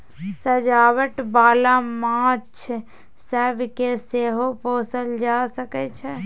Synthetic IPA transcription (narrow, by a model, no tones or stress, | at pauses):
səd͡ʒaːwəʈbaːlamãːt͡ʃʰ | səbkeseːɦopoːsəld͡ʒaːsəket͡ʃʰe